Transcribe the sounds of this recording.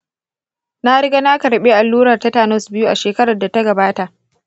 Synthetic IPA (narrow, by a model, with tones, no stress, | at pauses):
na˦ɽɪ˦ɡa˦na˦kɐ˨ɾɓe˦ʔa˨lːuː˦ɾɐ˨rta˦taː˨nɔ˦sbɪ˦ju˦ʔa̰˨ʃeː˨kɐ˦ɽɐ˨da˨ta˦ɡɐ˨baː˦ta˨ʔ